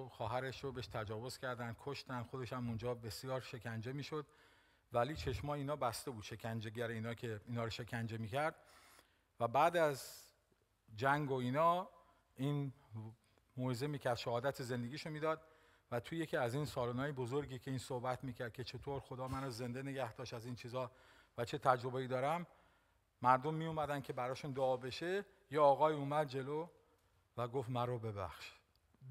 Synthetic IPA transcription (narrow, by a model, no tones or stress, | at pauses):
xɒːɦæɾe̞ʃɾobeʃt̪ʰæd͡ʒɒːvo̞z̥cʰʲæɾd̪ænd̪̥̚kʰoʃt̪ænd̪xod̪eʃæmund͡ʒɒːbe̞sijɒːɾʃe̞kʰænd͡ʒe̞miːʃod̪ | væliːt͡ʃʰe̞ʃmɒːjeiːnɒːbæst̪e̞buːd̪ʃe̞kʰænd͡ʒeɡæɾeiːnɒːcʰe̞iːnɒːɾoʃe̞kʰænd͡ʒe̞miːcʰæɾd̪̥ | væbæːd̪æz | d͡ʒæŋɡoiːnɒː | ʔiːn | moheze̞miːcʰæɾd̪ʃæɦɒːd̪æt̪ʰeze̞nd̪e̞ɡiːʃomiːd̪ɒːd̪̥̚ | væt̪ʰoje̞cʰiːæziːnsɒːlonɒːjebozoɾɡiːcʰe̞iːnsohbæt̪ʰmiːcʰæɾd̪̚kʰʲcʰe̞t͡ʃʰe̞t̪ʰoɾxod̪ɒːmænoze̞nd̪ene̞ɡæhd̪̥ɒːʃt̪æziːnt͡ʃʰiːzɒːvæt͡ʃʰe̞t̪ʰæd͡ʒɾo̞beiːd̪ɒːɾæmː | æɾd̪o̞mːiumæd̪æncʰe̞bæɾɒːʃund̪oːbe̞ʃe | jeɒːɣɒːiːumæd̪̚d͡ʒe̞lo | væɡoft̪mæɾobe̞bæ̰xʃ